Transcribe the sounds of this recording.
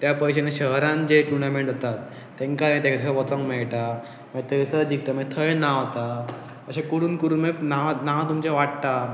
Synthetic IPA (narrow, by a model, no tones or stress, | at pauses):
t̪japəjɕeneɕəɦɾãnd͡ʑeʈuɳɖamẽɳʈot̪at̪ː | ẽŋkaɾẽt̪ẽkssəʋɔt̪ə̃ŋmɛɭʈa | mət̪ʰəsəd͡ʑik̚t̪amə̃t̪ʰəɭnaot̪a | əɕẽkuɾuːnkuɾuːnmenaʋnaʋt̪umt͡ɕeʋaʈt̪a